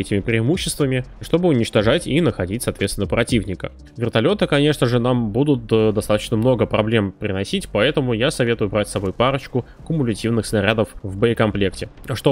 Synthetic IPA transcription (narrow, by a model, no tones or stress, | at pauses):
ɛtʲɪmʲɪpɾʲɪɪmuɕːɪst̪vəmʲɪʂt̪o̞bɨʊnʲɪt͡ɕt̪ɐʐatʲinəxɐdʲitʲsɐːt̪vʲeɪnːəpɾɐtʲivnʲɪkə̰ | vʲɪrt̪ɐlʲo̞t̪ɨkɐnʲe̞ʂnəʐɨnambud̪ʊt̪̚d̪ɐst̪at̪ət͡ɕnəmno̞ɡəpɾɐblʲe̞mpɾʲɪnɐsʲitʲpɐɛt̪əmʊjasɐvʲe̞t̪ʊjʊbɾatʲsɐbo̞jpaɾət͡ɕkʊ | kʊmʊlʲɪtʲivnɨxsnɐɾʲad̪əfvbəɪkɐmplʲe̞ktʲɪʂt̪o